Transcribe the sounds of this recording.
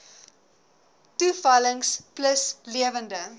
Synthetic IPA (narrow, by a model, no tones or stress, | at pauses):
tufɐləŋspləsliəvəndə